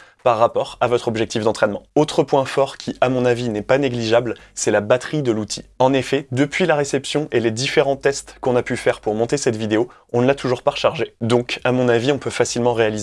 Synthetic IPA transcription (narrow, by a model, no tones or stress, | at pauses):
paʁːapɔʁavɔt̪χɔbʒɛk̚t̪ifd̪ɑ̃t̪χɛnmɑ̃ot̪χəpwɛ̃fɔʁkʲʰiamɔ̃navinɛpaneɡliʒablsɛlabat̪χid̪əlut̪ʰiɑ̃nefɛd̪əpɥilaʁesɛpsjɔ̃ʔeled̪ifeʁɑ̃t̪ɛst̪kɔ̃napyfɛʁpuʁmɔ̃t̪esɛt̪vid̪eo | ɔ̃nəlat̪uʒuʁpaʁʃaʁʒed̪ɔ̃kamɔ̃naviɔ̃pøfasilmɑ̃ʁealize